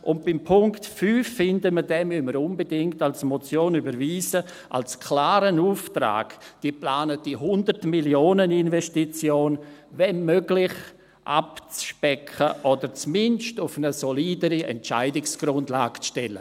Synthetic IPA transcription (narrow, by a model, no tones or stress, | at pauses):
ʔʊnt̚b̥ɪmpʰʊŋktfyːfːɪndəmədɛmyməɾʊnbedɪŋktalsmɔt͡sjoːnybəɾviːzə | ʔa̰lskʰlaːɾənuːftɾa̰ːɡ̥d̥iːplaːnət̚d̥iɦʊndərtmiljoːnəninvɛstit͡sjoːnvɛnmøɡlɪχ | ʔa̰pt͡sʃpɛkʰəʔɔdəɾt͡smɪnʃtʊfnəsoliːdəɾiɛ̰nt͡ʃaɪdɪksɡ̥ɾʊndlaːɡt͡sʃtɛlə